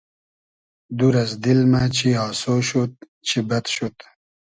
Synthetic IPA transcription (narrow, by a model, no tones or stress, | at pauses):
d̪uɾɐzd̪ilmat͡ɕiɑːsoʃut̪̚ | t͡ʃʰibɐt̪ʃut̪